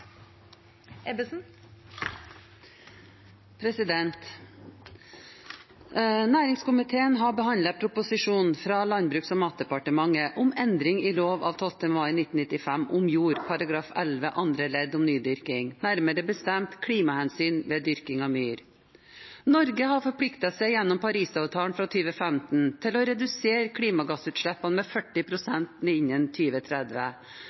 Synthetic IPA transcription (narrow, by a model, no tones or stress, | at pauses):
ɛbəsn̩ | pʰɾɛsɪd̪ɛnt̪ | næːɾɪŋskʊmɪt̪ʰeːənɦɑbəhɑnd̪ləpʰɾʊpʊsɪʂuːnnfɾɑːlɑnbɾʉːksɔmɑːt̪̚d̪ɛpɑʈəmɑŋəʔʊmɛnd̪ɾɪŋiːloːʋɑ̰ːʋt̪ʰɔlt̪əmʋɑənɪt̪ːn̩ɪt̪ɪfæmʔʊmjuːɾpʰɑɾɑɡɾɑːfɛ̰lʋəʔɑnd̪ɾəlɛd̪ɔmnyːd̪ʏɾkɪŋnæɾməɾəbəst̪ɛmt̪kʰɽiːmɑhɛnsyːnʋeːd̪ʏɾkɪŋɑʋmyːɾ | nɔɾɡəɦɑɾfɔɾpʰɽɪkt̪əsɛɪjɛnːɔmpʰɑɾiːsɑːʋt̪ʰɑːnfɾɑt̪ʰyːʋəfɛmt̪n̩t̪ʰɪlɔɾɛd̪ʉseːɾkʰɽiːmɑɡɑsʉːt̪ʂɭɛpːɑnmɛfœʈːɪpʰɾʊsɛnt̪nɛɪɲːənt̪ʰyːʋət̪ʰɾɛd̪ʋə